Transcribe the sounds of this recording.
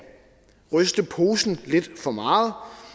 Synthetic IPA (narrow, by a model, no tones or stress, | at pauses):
ʁœsd̥əpʰo̝ːsn̩le̝d̥fɒ̽mɑ̈ːð̩ˠ